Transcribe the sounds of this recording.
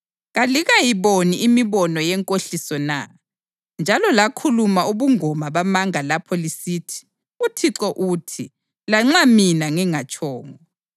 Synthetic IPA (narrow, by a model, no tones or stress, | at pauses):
ɣaliɣajiβoniimiβɔnɔjɛŋkʼoɬisɔna̰ | nd͡ʒʱalɔlakʰulumauβuŋɔmaβamaŋalapʰɔlisiːtʰi̥ | utʰiǁɔʔutʰi | laŋ͡ǁaminaŋɛŋat͡ʃʼɔːŋɔɔ